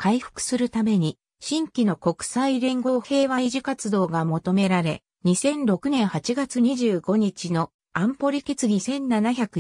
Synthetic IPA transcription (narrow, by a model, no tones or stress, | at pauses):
kʰaiɸɯ̥kɯ̥sɨɾɯ̟t̪ame̞ɲ̟i | ɕĩŋkʲino̞ko̞kɯ̟̥saiɾẽ̞ŋɡo̞ːhe̞ːβaiʑikat͡sɨd̪o̞ːɡamo̞t̪o̞me̞ɾaɾe̞̰ | ɲ̟isẽ̞nɾo̞kɯ̟nẽ̞ɰ̃hat͡ɕiɡat͡sɨɲ̟iʑɨːɡo̞ɲ̟it͡ɕino̞ | ãmpo̞ɾʲike̞t͡sɨɡʲisẽ̞nːanaçakɯ